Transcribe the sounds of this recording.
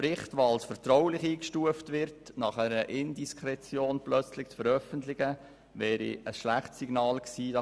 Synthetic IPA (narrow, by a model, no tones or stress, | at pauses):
ɾɪχtʋoɑlsfəɾtɾɔwlɪχiːkʃtuəftʋɪɾtnɑχæɾəʔɪndiskʰɾɛt͡sjoːnplœt͡slɪçt͡sfəɾœfəntlɪɡ̥ə | ʋɛːɾḭəsʃlæχtsiɡ̥nɑːlksiːdɑ